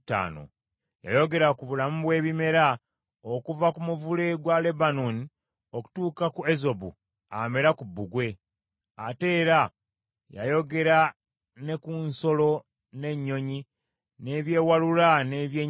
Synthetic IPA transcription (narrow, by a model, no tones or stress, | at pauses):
ta̰ːno̰ | ja̰jo̞ɡe̞ɾakuβulamuβwe̞ːβime̞ɾa | okuvakumuvule̞ɡwale̞banuni | o̞ku̥tuːkakuezo̞bṵ | a̰me̞ɾakubːuɡwe̞ | ate̞ːɾa | ja̰jo̞ɡe̞ɾa | ne̞kunso̞lo̞ | ne̞ɲːo̞ɲi | ne̞βje̞ːwalulane̞βje